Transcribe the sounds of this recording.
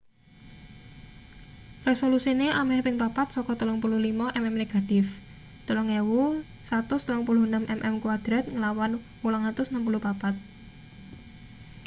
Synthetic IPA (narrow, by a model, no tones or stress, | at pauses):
resolusineʔamɛhpɪŋpapat̪sɔkɔt̪ulɔŋpuluhlimaʔɛmɛmneɡ̥a̤t̪ɪf | t̪əlɔŋewu | sat̪ʊst̪əlɔŋpulʊhnamʔɛmʔɛmkuwad̪̥ɾat̪̚ŋəlawan | wulaŋat̪ʊsnampulʊhpapat̪̚